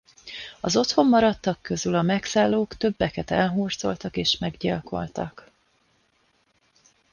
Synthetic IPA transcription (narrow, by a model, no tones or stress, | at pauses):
ɒzo̞t̪ho̞mːɒɾɒt̪ːɒkːø̞zylɒmɛksaːlːoːkt̪ø̞bːɛkɛt̪ɛ̰lɦuːrt̪so̞̰lt̪ɒkeːʃmɛɡɟilko̞̰lt̪ɒ̰k